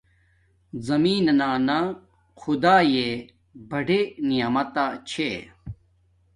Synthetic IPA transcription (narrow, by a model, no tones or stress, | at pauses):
zɐmiːnnaːna | xʰud̪aːje | bɐɖʱenijamɐt̪at͡ɕʰe